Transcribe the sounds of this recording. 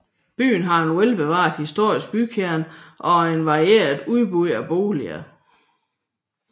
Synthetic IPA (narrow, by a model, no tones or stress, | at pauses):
b̥y̰ːn̩ɦɑ̈e̝nwelb̥e̝ʋɑ̰̈ːðˠhisd̥o̝ɐ̰isɡ̥̚b̥ykʰeɐnʔɒ̽e̝nʋɑ̈ʁie̝̰ːɐðˠuðˠb̥uæb̥o̝̰ːliæ